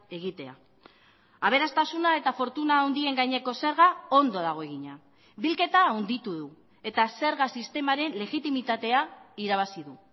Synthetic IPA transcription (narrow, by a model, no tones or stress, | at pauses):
e̞ɣ̞it̪e̞a̰ | aβ̞e̞ɾast̪asunae̞t̪afo̞ɾt̪unaːwnd̪ie̞ŋɡajɲe̞ko̞se̞ɾɣao̞nd̪o̞ðaɣ̞o̞e̞ɣ̞iɲa | bilke̞t̪aːwnd̪it̪uðu | e̞t̪ase̞ɾɣasist̪e̞maɾe̞nle̞ɣit̪imit̪at̪e̞aiɾaβ̞asiðu